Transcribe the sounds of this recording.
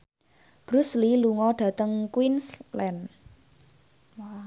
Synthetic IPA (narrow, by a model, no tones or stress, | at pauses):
b̥ɾusliluŋɔɖ̥ä̤t̪əŋkwinslɛn